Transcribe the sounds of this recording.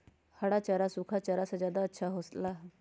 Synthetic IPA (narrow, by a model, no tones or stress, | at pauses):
həɽat͡ʃaɾasukʰat͡ʃaɾasad͡ʒjaːd̪aətːʃʰaɦost̪la